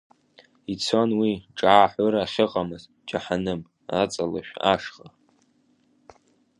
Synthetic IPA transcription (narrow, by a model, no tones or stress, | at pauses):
it͡sʰo̞nwiʈ͡ʂʼaːħʷʊɾaːχʲɪqʼamɨz | d͡ʒaħanɨm | at͡sʼala̰ʃᶣa̰ʂχa